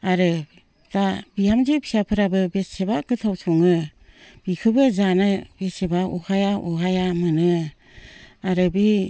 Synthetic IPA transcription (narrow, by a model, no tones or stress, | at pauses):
aɾɯ | tabijamzepʰi̥sapʰɯɾabɯbessebakɯtʰawsʰuŋɯb̥ikʰɯbɯzanab̥esebaɔhajaʔɔhajamɯnɯ | aɾɯbi